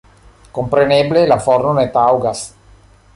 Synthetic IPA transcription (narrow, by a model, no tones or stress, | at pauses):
kompɾeneblelafoɾnunet̪awɡas